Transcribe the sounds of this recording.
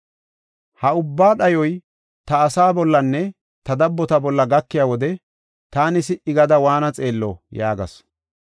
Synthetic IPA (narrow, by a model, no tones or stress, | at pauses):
hɐʊbːaːɗɐjɔj | t̪ɐːsaːbɔlːɐnːɛ | t̪ɐd̪ɐbːɔt̪ɐbɔlːɐɡɐkːɪjaːwɔd̪ɛ | t̪aːnɪsɪʔɪɡɐd̪ɐwaːnɐt͡sʼe̞ːlːo̰jaːɡɐ̰s